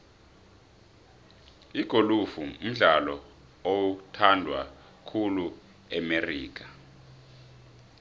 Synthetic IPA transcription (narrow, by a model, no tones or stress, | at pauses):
iɡ̥ʱolufuum̩ɮalɔ | otʰandʱwa | kʰulu | ɛmeriːk̬a